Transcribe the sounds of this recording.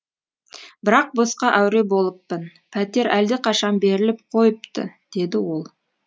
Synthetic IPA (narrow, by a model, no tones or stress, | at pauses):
bɪɾɑq̚bosqɑʔæwɾe̞bo̞lˠəpːən | pʰæt̪e̞ɾæld̪ɪqʰɑʃɑnbe̞ɾɪlɪp̚qʰo̞jəpt̪ə̰d̪̥e̞d̪ɪwo̞lˠ